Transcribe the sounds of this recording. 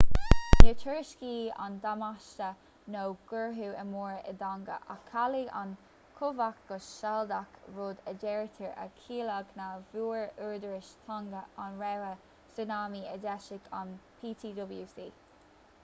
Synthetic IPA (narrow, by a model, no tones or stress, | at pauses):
dɛɹtʰəɹɪʃkiːa̰nd̪amaʃtə | nowɡ̥əɹɦuːəmuːɹə̰d̪aŋɡə̰ʔa̰kʰːaliʔa̰n | kʰʊvak̚ɡ̥ɔsʃald̪akɹoːd̪ədɛɹt̪ʰəɹə̰kʰiːlaɡnavuːɹuɹd̪əɹɪʃt̪ʰaŋɡəanɹɛwə | sunaːmiədɛʃɪɡʰanpʰiːt̪ʰiːd̪ɔbljuːsiː